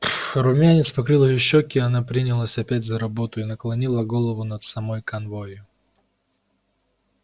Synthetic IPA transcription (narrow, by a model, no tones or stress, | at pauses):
ɾʊmʲanʲɪt̪spɐkɾɨlˠəjʊɕːokʲɪɐnapɾʲinʲɪlˠəsʲɐpʲætʲzəɾɐbo̞t̪ʊɪnəklˠɐnʲilˠəɡo̞lˠəvʊnət̪sɐmo̞jkɐnvo̞jʊ